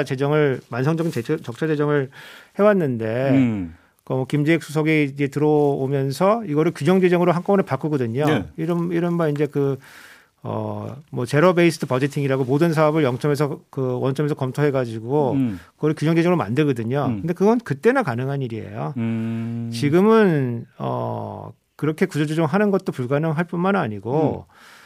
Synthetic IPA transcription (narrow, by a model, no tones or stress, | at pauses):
t͡ɕe̞d͡ʑʌŋɯɭmansʰʌŋd͡ʑʌɡint͡ɕet͡ɕʌk̚t͡ɕʰad͡ʑe̞d͡ʑʌŋɯɭhe̞wanːɯnde̞ | kʌmwʌkimd͡ʑeik̚s͈ʰus̬ʰʌɡid͡ʑe̞tɯɾʌomjʌnsʰʌiɡʌɾɯɭkjud͡ʑʌŋd͡ʑed͡ʑʌŋɯɾoɦank͈ʌʌnepak͈ɯɡʌdɯɲoiɾʌiɾʌnbaind͡ʑe̞kɯ | ʌ̰mwʌt͡ɕe̞ɾʌbeisʰɯtʰɯpʌd͡ʑetʰiŋiɾaɡomodɯnsʰaʌbɯɭjʌŋt͡ɕ͈ʰʌmes̬ʰʌkɯwʌnt͡ɕʰʌmesʰʌkʌmtʰoɦe̞ɡad͡ʑiɡokɯɡʌɾɯɭkjud͡ʑʌŋd͡ʑeʌŋɯɾoma̰ndɯɭɡʌdɯɲokɯnde̞kɯɡʌnnkɯt͈e̞nɯnkanɯŋɦaniɾiḛjo̰ | t͡ɕiɡɯmɯnʌ̰ | kɯɾʌkʰe̞kud͡ʑod͡ʑod͡ʑoŋɦanɯnɡʌt̚t͈opuɭɡanɯŋɦaɭp͈unmanna̰ɲiɡo